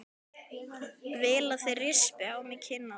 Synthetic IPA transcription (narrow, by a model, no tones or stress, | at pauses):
vɪːlaθejrɪspɪawmɪcʰɪnːa